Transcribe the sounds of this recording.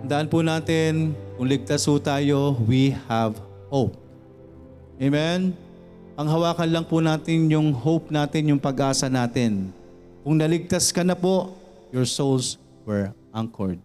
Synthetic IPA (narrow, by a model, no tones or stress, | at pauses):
t̪ɐnd̪ɐʔanpʊnaːt̪ɪnkʊŋlɪɡ̚t̪ashʊt̪aːjo̞wihav | howp̚ | ʔejmɛn | pɐŋɦɐwaːkɐnlɐŋpʊnaːt̪ɪnjʊŋɦowp̚naːt̪ɪnjʊŋpɐɡʔaːsɐnaːt̪ɪn | kʊŋnɐlɪɡ̚t̪askɐnɐpo | jɔɹsols | wɛɹʔaŋkʰo̰ɹd̪̚